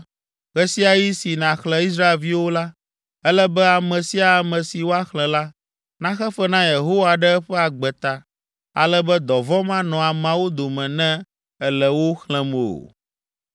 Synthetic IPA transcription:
ɣɛ˦si˦a˨ji˦si˨nã˨xlɛ̃˦i˦s̬ɾa˦e˨lvi˦wo˦la˦ | ɛ˦lɛ˦bɛ˦a˨mɛ̃˨si˦a˨a˨mɛ̃˨si˨wo˦a˦xlɛ̃˨la˦ | nã˦xɛ˦fɛ˦nã˦je˨ɦo˦wa˨ɖɛ˦ɛ˦ɸɛ˦a˨ɡ͡bɛ˨t̪a˨ | a̰˨lɛ˦bɛ˦d̪ɔ˨vɔ˦mã˦nɔ̃˨a˨mã˨˦wo˦d̪o˨mɛ̃˨nɛ̃˦ | ɛ˦lɛ˨wo˦xlɛ̃˦m˨o̰˨

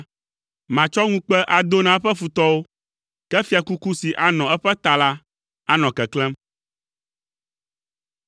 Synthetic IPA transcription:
mã˨t͡ʃɔ˦ŋũ˦k͡pɛ˦ʔa˨d̪o˦nã˨ɛ˦ɸɛ˦fu˨t̪ɔ˦wo˦ | kɛ˦fi˨a˨ku˦ku˦si˨ʔa˦nɔ̃˨ɛ˦ɸɛ˦t̪a˨la˦ | a˦nɔ̃˨kɛ˨klɛ˦m

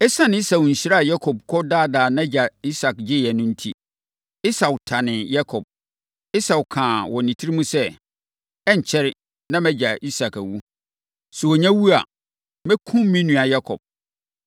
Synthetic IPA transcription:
ɛ˦sã˦n˨˦i˦sa˨wɲ̩˨ɕɪ˦ɾa˦˨ja˦kʰɔ˨b̚kʰɔ˦daː˦da˨nã˦d͡ʑa˨i˦sa˨kd͡ʑɪ˦˨jɛ˨nʊ̃˦n̩˦tʰi˦ | ɪ˦sa˨wtʰa˨nɪ̃˨ja˦kʰɔ˨b̥̚ | ɪ˦sa˨wkʰãː˨wɔ˨nĩ˨tʰi˦ɾi˦mũ˦sɛ˦ | ɛ˦ɲ˨t͡ɕʰɛ˦ɾɪ˦ | nã˦mɛ˦d͡ʑa˨ʔi˦sa˨kæ˨wu˦ | sɛ˨wɔ˨ɲã˦wu˦a̰˨ | mɛ˦kʰũ˦m˦mĩ˦nũ˨a˨ja˦kʰɔ̰˨b̥̚

